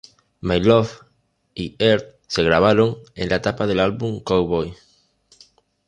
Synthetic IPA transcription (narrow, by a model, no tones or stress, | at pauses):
majlof | ieɾt̪ | seɣɾaβ̞aɾoŋẽŋlaet̪apaðelalβuŋkowβoj